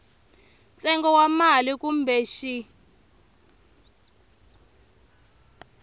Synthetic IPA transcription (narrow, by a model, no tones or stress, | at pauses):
t͡sʼɛŋɡɔwamalikumbʱɛʃi